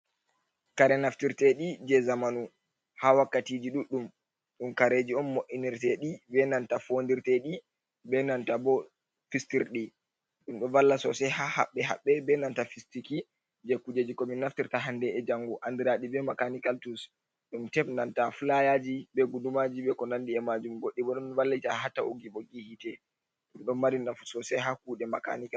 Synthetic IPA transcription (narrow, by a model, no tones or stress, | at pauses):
kaɾɛnaftiɾtɛɗid͡ʒɛzamanu | hawakːatid͡ʒiɗuɗːum | ɗumkaɾed͡ʒiɔnmoʔiniɾtɛɗibɛnantafondiɾtɛɗi | bɛnantabɔ | fistiɾɗi | ɗumɗɔvalːasɔsɛhaha̰ɓːɛɦa̰ɓːɛbɛnantafistiki | d͡ʒekːud͡ʒed͡ʒikɔminːaftiɾtaɦandɛɛd͡ʒaŋɡuʔandiɾaɗibɛmakanikaltus | ɗuntɛpnantafulajad͡ʒibɛɡudumad͡ʒiɓɛkɔnandiɛmad͡ʒumɡoɗːiɓɔɗɔnvalːitahatːaoɡiɓɔɡihitɛ | ɗumɗɔnmaɾinafsɔsɛɦakuɗɛmaka̰nika